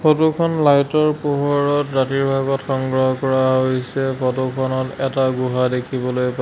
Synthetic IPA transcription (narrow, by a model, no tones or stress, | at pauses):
pʰotukʰɔnlajtɔɹpuɦɔɹɔtɹatiɹbʱaɡɔtxɔŋɡɹɔɦɔkɔɹaɦojsɛpʰɔtukʰɔnɔtɛtaɡuɦadekʰibɔlojpa